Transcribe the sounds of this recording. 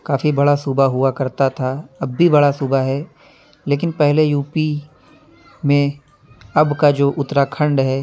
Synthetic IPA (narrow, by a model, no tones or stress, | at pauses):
kaːfibɐɽasubaɦʊakɐɾt̪at̪ʰaɐbːibɐɽasubaɦɛ | leːk̬ɪnpɛɦlejuːpi | mẽ | ɐbkad͡ʒoːʔʊt̪ːɾakʰɐ̃ɳɖɦɛː